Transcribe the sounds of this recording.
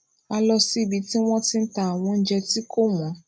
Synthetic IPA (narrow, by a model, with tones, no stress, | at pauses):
a˧lɔ˧si˦˨bi˧ti˦w̃ɔ̃˦tĩ˧n̩˦ta˨a˨w̃ɔ̃˧˦n̩˦d͡ʒɛ˧ti˦kʰo˦˨mɔ̃˨˦